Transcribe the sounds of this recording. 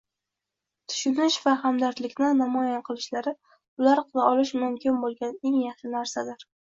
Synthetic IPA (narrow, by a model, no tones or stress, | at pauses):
t̪ʰʊ̥ʃʊnɪʃvahamd̪aɾt̪lɪkʲnɪnamɒjaqʰɨlˠɪʃlaɾɪ | ʊlaɾqʰɨlˠaɒlɪʃmʊmkʲʰɪnbolˠɡʲane̞ŋjɑχʃɪnaɾsad̪ɪɾ